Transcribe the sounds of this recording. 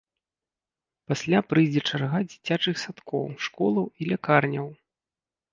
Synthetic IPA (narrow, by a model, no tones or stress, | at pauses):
pasʲlʲapɾɨjd͡zʲɛt͡ʂarɣad͡zʲit͡sʲat͡ʂɨxsat̪kɔ̰wʂkɔlˠɐwilʲakarnʲɐw